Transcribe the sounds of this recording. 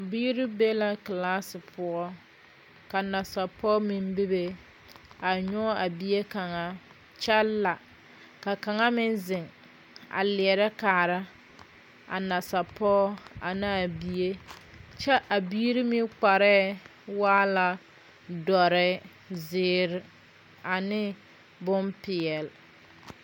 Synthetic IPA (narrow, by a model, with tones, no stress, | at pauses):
biː˦ɾi˦be˦la˦klaː˦sɪ˨pʰʊ˦ɔ˦ | ka˨na˨sa˨pɔ˦mɪ˦mbi˦be˨ | a˨ɲɔ˦a˨bi˦e˦ka˨ŋa˦ | t͡ʃɛ˦lːa˨ | ka˨ka˨ŋa˦mɪ˦nzɪ˨ŋ | a̰˨lɪ˨ɛ˨ɾɛ˦kaː˨ɾa˦ | a̰˨na˨sa˨pɔː˦a̰˨nɪ˦a˨bi˨e˦t͡ʃɛ˦ʔa˨biː˦ɾɪ˦mɪ˦k͡pa˨ɾɛ˦waː˦la˨ | dɔ˨ɾɪ˦ | zɪː˨˦ɾɪ˨ | a˨nɪ˦ | bʊ˦mpɪ˨ɛ˨l